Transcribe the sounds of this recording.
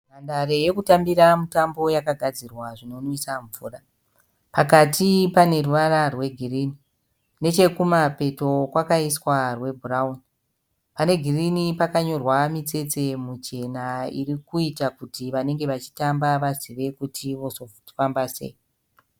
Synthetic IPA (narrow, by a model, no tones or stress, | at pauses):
mandare̞je̞kutambiɾamutambo̞jakaɡʱad͡zirwaʐino̞nisaɱvuːra | pakatipane̞ruʋaɾarwe̞ɡʱiriːni | ne̞t͡ʃe̞kumape̞to̞kwakaiswarwe̞bʱuraun | pane̞ɡʱirinipakaɲo̞rwamit͡se̞t͡se̞mut͡ʃe̞naḭɾikuitakutiʋane̞ŋɡe̞ʋat͡ʃi̥tambaʋaziʋe̞kutʰiʋo̞sofambase̞̰